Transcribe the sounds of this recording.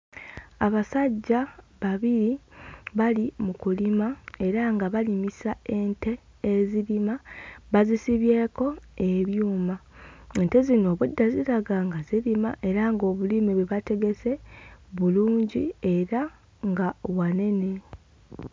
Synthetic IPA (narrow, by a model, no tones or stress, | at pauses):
aβasaɟːaβaβiɾiβalimukulimae̞ɾaŋɡaβalimisae̞nte̞ː | ziɾimaβazisiβje̞ːko̞e̞βjuːmae̞nte̞zino̞ːβudːaziɾaɡaŋɡaziɾima̰ʔe̞ɾaŋɡo̞ːβulimiβweβate̞ɡe̞se̞βuluːɲɟie̞ɾa | ŋɡawane̞ne̞